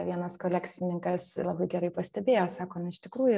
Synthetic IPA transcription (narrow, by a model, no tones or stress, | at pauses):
ʋʲiɛnɐskoːlʲæksʲɪnʲɪŋkɐslˠɑbɐɪɡʲɛɾɐɪpɐsʲt̪ʲɛbʲeːjoːsɑːkoːnɐɪʃt̪ʲɪkɾuːjʊ